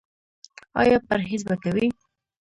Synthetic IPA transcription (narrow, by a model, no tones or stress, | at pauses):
ɑ̰jɑpaɾɦizbakawi